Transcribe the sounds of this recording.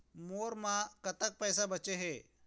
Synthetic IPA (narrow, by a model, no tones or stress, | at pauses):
moːɾmãkɐt̪ək̚pɛːsabɐt͡ʃeɦɛː